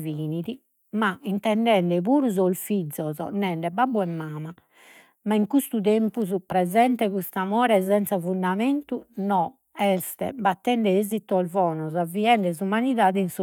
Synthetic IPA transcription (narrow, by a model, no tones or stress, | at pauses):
viːniði | maint̪ɛɳɖɛɳɖɛβuːɾuzɔlfid̪zːɔzɔ̰nɛɳɖɛbabːuɛmːaːma | maiŋkust̪ut̪empuzupɾɛzɛnt̪ɛkust̪amɔːɾɛzɛnt̪safund̪ament̪unɔ | ɛst̪ɛ̰bat̪ːɛɳɖɛeːzit̪ːɔalvɔːnɔzaviɛɳɖɛzumaniðaːðɛinsu